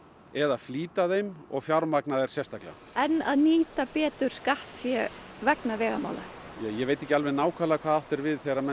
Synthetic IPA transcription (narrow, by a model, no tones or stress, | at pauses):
ɛðafliːt̪aðejmɔ̰ɣfjawɾmaknaðɛɾ̥sjɛst̪akla̰ | ɛnːaðniːt̪apɛːt̪ʏɾ̥skaht̪fjɛvɛknavɛːɣa̰ma̰ːwla̰jɛvejt̪ehcɪalvɛnaːwkʰalakʰvaːðawht̪ɛɾvɪðθejɾamɛ